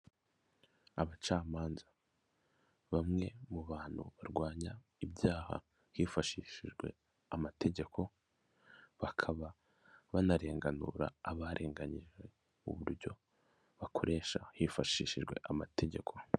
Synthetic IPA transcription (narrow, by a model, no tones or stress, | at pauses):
aβat͡ʃaːmaːnza | βamŋe̞muβaːn̥hṵβaɾɡwaːɲa | ibjaːha̰ | hiːfaʃiːʃiʒɡwe̞̰ | amate̞ɟe̞kʰo̞ | βakʰaβa | βanaɾe̞ːŋɡanṵɾa̰ːβaɾʔe̞ːŋɡaɲiʒɡe̞ | ṵβuɾɟo̞̰ | βakʰo̞ɾe̞ːʃahifaʃiːʃiʒɡwe̞̰ʔamate̞ɟe̞kʰo̞̥